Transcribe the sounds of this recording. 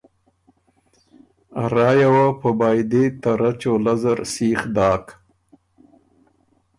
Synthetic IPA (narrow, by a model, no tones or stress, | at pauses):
aɾɑːjawapəbɑːjd̪et̪aɾat͡ʃolazaɾsiːxd̪ɑːk